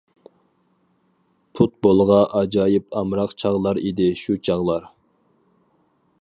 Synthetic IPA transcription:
pʰut̪̚bolˠʁɑʔɑd͡ʒɑːjɪpʰɑmɾɑqt͡ʃʰɑʁlˠɑɾid̪ɪʃut͡ʃʰɑʁlˠɑɾ

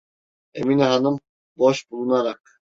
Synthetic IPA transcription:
eminiɦanɯm | boʃbulˠunaɾak̚

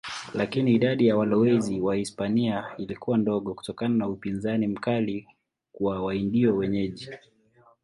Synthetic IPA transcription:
lakiniːɗaɗijawalɔwɛziwahispaniailikuwandɔɠɔku̥tɔkananaupinzanim̩kali | kuwawaindiɔwɛɲɛʄi

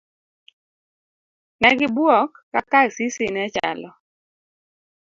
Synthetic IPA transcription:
nɛɡɪbwɔkːakasisɪnɛt͡ʃa̰lɔ

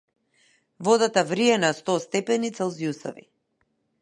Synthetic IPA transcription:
vɔd̪at̪avɾiɛnast̪ɔst̪ɛpɛnit̪sɛlˠzjusɔ̰vḭ

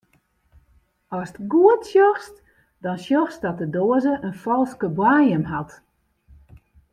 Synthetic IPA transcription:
ɔstɡuətsjɔxst | dɔnsjɔxsdɔt̚dədoəzəʔənfɔlˠskəbwaːjəmɦat

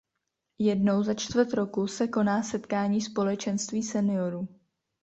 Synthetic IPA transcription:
jɛdno̞wzat͡ʃt̪vər̩t̪ɾo̞kusɛko̞naːsɛt̪kaːɲiːspo̞lɛt͡ʃɛnst̪viːsɛnɪo̞ɾuː

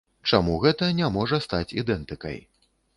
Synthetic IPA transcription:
t͡ʂamuɣɛt̪ɐnʲamɔʐɐst̪at͡sʲid̪ɛnt̪ɨkɐ̰j

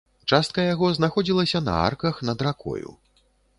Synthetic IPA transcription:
t͡ʂast̪kɐjaɣɔznaxɔd͡zʲilˠɐsʲɐnɐ̰a̰rkɐxnɐd̪ɾakʰɔ̰jṵ

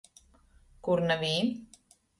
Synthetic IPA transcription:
kuɾnəβi

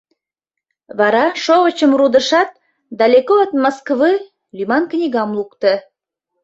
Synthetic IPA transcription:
βɑɾɑʃoβət͡ɕəmrud̪əʃɑt̪̚ | d̪ɑlʲekot̪moskβɨ | lʲymɑnknʲiɣɑmlukt̪ə

